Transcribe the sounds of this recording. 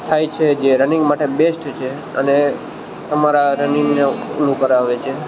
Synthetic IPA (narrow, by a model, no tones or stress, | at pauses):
t̪ʰajt͡ʃʰed͡ʒeɾənĩŋɡmaʈebesʈt͡ʃʰe | əne | t̪əmaɾaɾəninenũkəɾaʋet͡ʃʰe